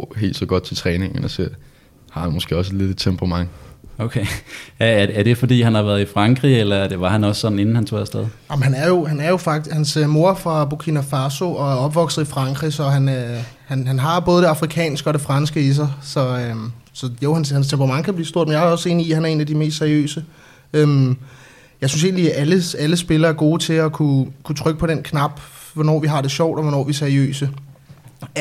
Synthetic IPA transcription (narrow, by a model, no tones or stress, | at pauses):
ɦe̝̰ːld̥sɒɡ̥ɒ̽d̥̚t͡sʰe̝lt͡sʰʁɛːne̝ŋnn̩ɒseɐ̰ | hɑ̈hænmɔ̽sɡ̥e̝ːɒ̽s̬e̥le̝d̥ed̥t͡sʰempʰʁɑ̈mɑ̈ŋ̰oʊkʰeææɐæɐd̥e̝fɒ̽d̥ḭːɦænhɑ̈ʋæːɐð̩ˠifʁɑ̈ŋɡ̥ʁḭelɐæɐd̥e̝ʋɑ̈hænɒ̽ssɒ̽d̥n̩e̝n̩hænt͡sʰo̝̰ð̰ˠsd̥eðˠɑmɦænæɐjo̝hænæɐjo̝fɑ̈ɡ̥hænsmo̝ɐfʁɑ̈b̥okʰinæfɑ̈so̝ʔɒ̽æɐɒ̽b̥ʋɒ̽ɡ̥sð̩ˠifʁɑ̈ŋɡ̥ʁisɒ̽ɦæn | hænɦænɦɑ̈b̥ɔ̽ːð̞̩ˠəde̝ɑ̈fʁikʰɛ̰ːnsɡ̥əɒ̽ɾ̥e̝fʁɑ̈nsɡ̥əis̬ɑ̈ɪsɒ̽øsɒ̽joʊhænshænst͡sʰemb̥ʰʁɑ̈mɑ̈ŋkʰæb̥lḭːsd̥o̝ɐ̰d̥menjaæɒ̽se̝̰ːniihænæɐe̝ːnæd̥ime̝̰ːstseɐiø̰ːsə | øm | jɑ̈ɪsyns̬e̝ːnliæʔæləæləsb̥e̝lɐːæɐɡ̥o̝ːt͡sʰe̝lɒkʰukʰut͡sʰʁœɡ̥ə̥pʰɒ̽ɾen̰kʰnɑ̈b̥ʋɒnɒ̰ːʋiɦɑ̈ɾ̥e̝ɕɒʊ̰d̥ɒʋɒnɒ̰ːʋiseɐiø̰ːsə